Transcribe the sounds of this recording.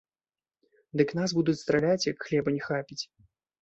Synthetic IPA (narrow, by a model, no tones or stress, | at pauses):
d̪ɨknasbud̪ut͡sʲst̪ɾalʲat͡sʲjɐkxlʲɛbɐnʲɛxapʲit͡sʲ